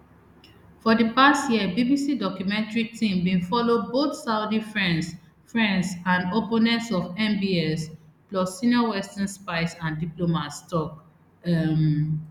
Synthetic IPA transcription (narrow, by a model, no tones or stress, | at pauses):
fɔdipastjiəbibisidɔkjumɛ̃ntɹitʰĩmbĩnfɔloboθsaʊdifɹɛ̃nds | fɹɛ̃nsãndoponɛ̃ntsɔvɛ̃mbiɛsplɔsːinɔwɛstãnspaɪsãndiplomatstɔk | m